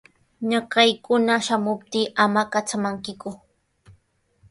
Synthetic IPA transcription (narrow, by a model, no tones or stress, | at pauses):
ɲɑkɑjkʊnaʃamʊp̚t̪iːʔamakat͡samaŋkɪkʊ